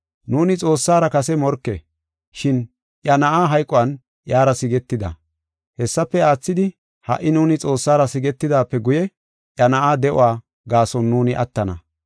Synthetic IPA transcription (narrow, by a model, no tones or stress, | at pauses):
nuːnɪt͡sʼo̞ːsːaːɾɐkɐsɛmɔɾkːe | ʃɪn | ʔjɐnɐʔaːɦɐjkʼːɔɐn | jaːɾɐsɪɡɛt̪ːɪd̪ɐ̰ | hɛsːɐpːɛaːt͡sːɪd̪ɪ | hɐ̰ʔːɪnuːnɪt͡sʼo̞ːsːaːɾɐsɪɡɛt̪ːɪd̪aːpːɛɡʊjɛ | ʔjɐnɐʔaːd̪ɛʔʊ̰waː | ɡaːsɔnːuːnɪʔɐt̪ːɐnɐ̰